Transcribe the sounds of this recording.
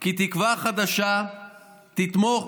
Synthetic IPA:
kit̪ikvaχad̪aʃa | t̪it̪mo

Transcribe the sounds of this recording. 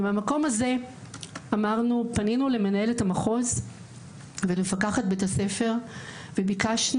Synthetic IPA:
meamako̞maze̞ | amaʁnupaninuleme̞nae̞lethamaχo̞z | venmefakaχat̚betase̞fe̞ʁ | vebikaʃn

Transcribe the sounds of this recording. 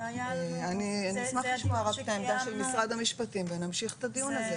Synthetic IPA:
veanianismaχliʃmoaʁakt̪aemd̪aʃelmisʁad̪hamiʃpatimvenamʃiχt̪ad̪ijunaze

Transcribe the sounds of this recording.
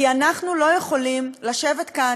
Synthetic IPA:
ianaχnulo̞je̞χo̞limlaʃe̞vet̪ka

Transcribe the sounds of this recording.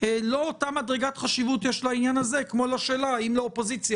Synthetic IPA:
lo̞otamadʁeɡat̪χaʃivutjeʃlainjanaze̞kmolaʃeːlaimlaopo̞zit͡sja

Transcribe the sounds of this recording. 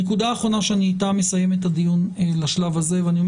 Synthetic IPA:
ekud̪aːχʁo̞naʃeaniːtame̞saje̞met̪had̪ijunelaʃlavazeveanio̞m

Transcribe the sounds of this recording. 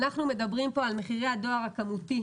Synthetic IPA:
naχnume̞dabʁimpo̞alme̞χiʁe̞hado̞aʁhakamuti

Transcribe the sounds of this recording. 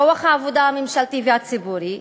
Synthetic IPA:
owaχaavod̪amɪmʃalt̪iviatt͡sibuɾi

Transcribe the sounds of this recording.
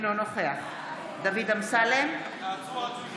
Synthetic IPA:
nonoχea | d̪avid̪amsalem

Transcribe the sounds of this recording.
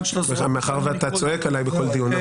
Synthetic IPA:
eχameaχaʁveat̪at͡soekalajbeko̞ld̪iuna

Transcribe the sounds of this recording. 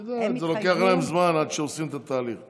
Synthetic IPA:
d̪azelokeaχlaemzmanad̪ʃeosimet̪at̪aːliχ

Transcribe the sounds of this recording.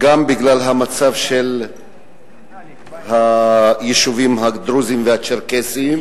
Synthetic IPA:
ɡambiɡlalɦamat͡savʃel | hajeʃuvimɦad̪ɾuzimvehat͡ʃeɾkesim

